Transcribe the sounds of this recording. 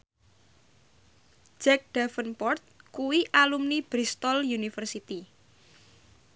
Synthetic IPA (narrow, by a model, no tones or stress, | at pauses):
d͡ʒɛk̚d̥afənpɔrt̪̚kuwiʔalumnib̥ɾist̪ɔljunifərsit̪i